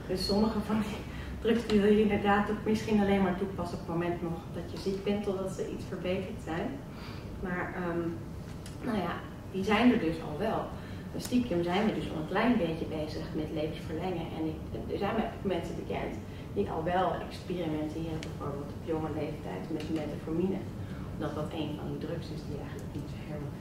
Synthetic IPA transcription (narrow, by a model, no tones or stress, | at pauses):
døsɔməχəvɑndi | trɵkstyjəɪndəɹdaːtːɔχmɪsχinɑlejnmaːɹtupɑsɔtmomɛntnɔχd̥ɑtjəzikbɛntːɔdɑtsəʔḭtsfəɹbejtəɹtsɛjn | maːɹəm | nowja̰ | dizɛjndəɹdɵsɑ̰lˠʋɛlˠ | stikəmzɛjnʋɛdɵsɔ̰lˠənklɛjnbejəbejzəχmɛtlejvənsfəɹlɛŋəʔɛ̰nɪkdəɹzɛjnʋɛjʔokmɛnsəbəkɛ̰nt | diʔɑ̰lˠʋɛlˠɛ̰kspirimɛntɪːrəbɛjvoːɹbɪːlˠtɔpjɔŋəlejftɛ̰jtmɛtəmetafominə̰ | ɔmdɑtʋɑtejnvɑ̰ndidrɵksɪsdiɛjχəntləkmutɦɪɹm